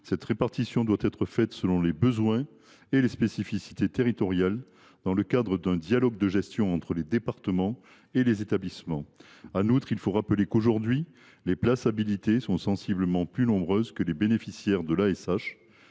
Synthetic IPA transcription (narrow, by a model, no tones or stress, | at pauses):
sɛt̪ʁepaʁt̪isjɔ̃d̪wat̪ɛt̪χəfɛt̪səlɔ̃lebəzwɛ̃ | elespesifisi̥t̪et̪eʁit̪ɔʁjal | d̪̥ɑ̃ləkad̪ʁəd̪ɛ̃d̪jalɔɡ̚d̪əʒɛst̪jɔ̃ɑ̃t̪χəled̪epaʁt̪əmɑ̃ | elezet̪ablismɑ̃ | anut̪χilfoʁapəlekoʒuʁd̪ɥi | leplasabilit̪esɔ̃sɑ̃sibləmɑ̃plynɔ̃bʁøzkəlebenefisjɛʁd̪əlaɛsaʃ